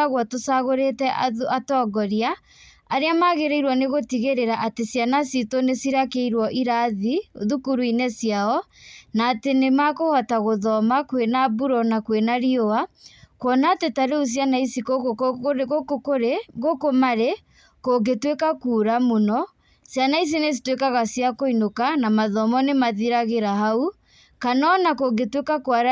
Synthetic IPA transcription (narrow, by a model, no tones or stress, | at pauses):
aɣwatosaɣoɾetɛatɔɡɔɾjaː | ɾeamaɣeɾeiɾwɔneɣotiɣeɾeɾaʔatesjanasitonesiɾakeiɾwɔʔiɾaðioðukuɾuinɛsjaɔnaːtenemakohɔtaɣoðɔmakwenabuɾɔnakwenaɾjoakwɔnaːtetaɾeos̬janaisiko | kokoɾeɣokomaɾe | koɡetwekakuːɾamonɔ | sjanais̬ines̬i̥twekaɣasjakoinokanamaðɔmɔnemaðiɾaɣeɾaɦau | kanɔnakoɡetwekakwaɾ